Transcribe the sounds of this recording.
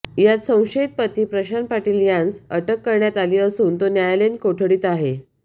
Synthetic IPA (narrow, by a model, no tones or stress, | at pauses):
jat͡s̪sə̃w̃ɕeit̪̚pət̪iːpɾəɕanpaʈiːljãnsəʈəkːəɾɳjat̪aliːəsuːnt̪onjajlenkoʈʰəɽiːt̪aɦe